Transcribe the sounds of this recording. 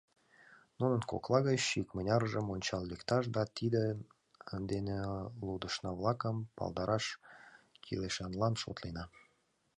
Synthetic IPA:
nunənko̰klˠɑɣət͡ɕʃikmənʲɑɾʒəmonʲt͡ɕɑlːekt̪ɑʃ̬d̪ɑt̪id̪e | ənd̪enelud̪əʃnɑβlˠɑkəmpɑ̰lˠd̪ɑɾɑʃ | kʰileʃɑnlɑnʃo̰t̪lenɑ

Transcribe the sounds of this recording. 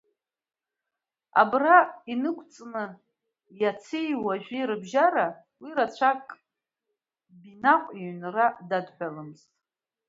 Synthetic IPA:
a̰brainɨkʷʰt͡sʼnɨ | jat͡sʰejwaʒᶣiɾɨbʒaɾa | wiɾat͡ɕʷʰakʼ | binaqʷʼiɥnradadħʷᶣalɨmztʼ

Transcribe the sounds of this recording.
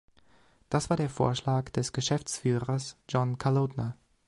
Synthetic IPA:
d̥asv̥aːɐɾeːɐfo̰ːɐʃlaːkd̥ɛsɡ̥əʃɛft͡sfyːʁɐsd͡ʒɔnkʰalotnɐ

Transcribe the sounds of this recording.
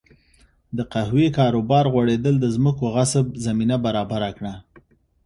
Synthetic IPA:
d̪əqahwekɑɾobɑɾɣwaɽed̪əld̪əzməkoɣasəb̚zaminabaɾɑbaɾakɽa

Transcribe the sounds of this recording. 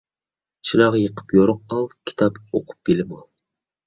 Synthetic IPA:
t͡ʃʰinɑʁɑjəqʰə̥pjoɾʊq̚ːɑlˠkʲʰi̥t̪ʰɑpoqʰʊ̥p̚belɪmɑ

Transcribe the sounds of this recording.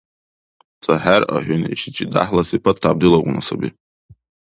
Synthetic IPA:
t͡sʼaħara̰ħʷᶣʊniʃit͡ʃʼida̰ħlasipʰatʰtʰːab̚dɨlaqʷʼnasabi

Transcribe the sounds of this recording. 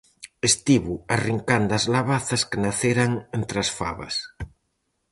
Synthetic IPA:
est̪iβuariŋkand̪azlaβaθɐskenaθeɾaŋent̪ɾasfa̰βɐ̰s

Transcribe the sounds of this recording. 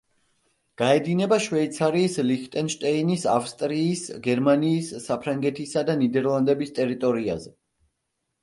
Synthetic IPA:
ɡ̥aɛd̪inɛbaʃwɛit̪sʰaɾiːslikt̪ʼɛnʃt̪ʼɛinisafst̪ʼɾiːsɡɛɾmaniːsːapʰɾaŋɡɛt̪ʰisad̪anid̪ɛɾlˠand̪ɛbist̪ʼɛɾit̪ʼɔɾia̰zɛ

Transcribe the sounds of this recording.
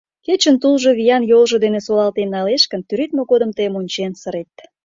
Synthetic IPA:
ket͡ɕənt̪ulʒoβijɑnjolʒŏd̪enesolɑlt̪enːɑleʃkənt̪yɾit̪̚mokod̪ə̆mt̪əjmunʲt͡ɕensəɾet̪

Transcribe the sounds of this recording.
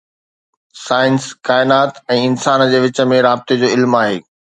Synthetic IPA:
saːɪnskaːɪnaːt̪ɛ̃ːɪnsaːnd͡ʑeːʋɪt͡ɕə̆mẽɾaːbɪt̪ed͡ʑoːɪlmaːɦḛː

